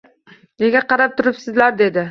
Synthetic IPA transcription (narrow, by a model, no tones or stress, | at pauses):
ne̞ɡʲaqʰɑɾap̚t̪ʰʊɾɪpsɪzlaɾd̪e̞d̪ɪ